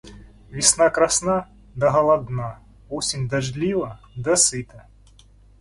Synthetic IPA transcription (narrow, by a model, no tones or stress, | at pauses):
vʲisnakɾasna | d̪ɐɦɐlˠad̪na | vɔsʲinʲd̪aʐlʲivɐ | d̪ɐsɨt̪ɐ